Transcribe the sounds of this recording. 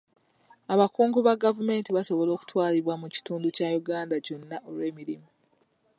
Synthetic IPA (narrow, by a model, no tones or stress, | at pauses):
aβakuːŋɡuβaɡavume̞ːntiβaso̞βo̞lo̞ːku̥twaːliβwamuci̥tuːnducajuɡaːndaco̞nːaʔo̞lwe̞ːmiɾimu